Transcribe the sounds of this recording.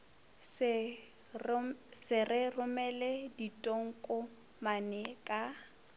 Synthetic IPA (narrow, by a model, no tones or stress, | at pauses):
sɪrɪrʊmɛlɛditʼoŋ̩kʼʊ | manɛkʼa